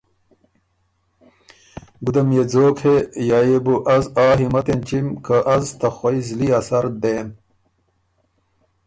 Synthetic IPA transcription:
bud̪ɐmjed͡zoːkhejaːjebuʔɐzaːɦimɐt̪ent͡ɕimkɐʔɐzt̪ɐxwɐizliɐsɐɾd̪eːn

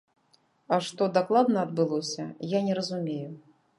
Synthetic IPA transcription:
ɐʂt̪ɔd̪aklˠad̪nɐɐd̪̚bɨlˠɔsʲɐjanʲɛɾɐzumʲeju

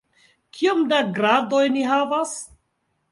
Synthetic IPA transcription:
kʰiomdaɡɾado̞jniɦavas

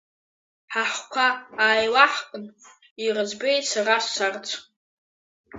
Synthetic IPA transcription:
ħaħkʷʰaːjlaħkʼən | irəd͡zbejsarasːart͡sʷʰ

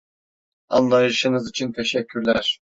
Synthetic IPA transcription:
a̰nlˠajɯʃɯnɯzit͡ʃʰint̪ʰeʃɛcʰːyɾlʲæɾ̥

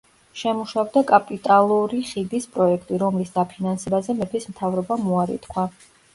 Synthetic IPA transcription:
ʃɛmuʃavd̪akʼapʼit̪ʼalˠuɾiχid̪ispʼɾɔɛkʰt̪ʼiɾɔmlisd̪apʰinansɛbazɛmɛpʰismt̪ʰavɾɔbamuaɾḭt̪kʰwa

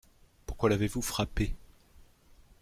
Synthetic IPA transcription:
puʁkwalavevufχape

